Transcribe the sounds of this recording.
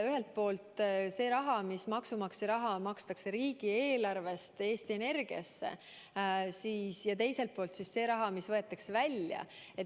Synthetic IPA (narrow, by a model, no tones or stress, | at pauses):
yɦe̞lt̪̚po̞ːlt̪ˑse̞ːɾɑɦɑmismɑksumɑksiɾɑɦɑmɑkst̪ɑkseɾiːɡ̥ie̞ːlɑrve̞st̪e̞ːst̪ie̞ne̞rɡ̥iɑ̰sːe̞̰ | siːsjɑt̪e̞jse̞lt̪̚poːlt̪sisːe̞ːɾɑɦɑmisvɤ̞e̞t̪ːˑɑksevælʲjɑ̰e̞t